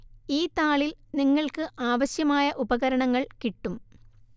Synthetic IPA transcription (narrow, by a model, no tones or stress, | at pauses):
iːt̪aːɭilniŋːɐɭkɨʔaːʋɐɕjɐmaːjɐʔubɐɣɐɾɐɳɐŋːɐɭkiʈːum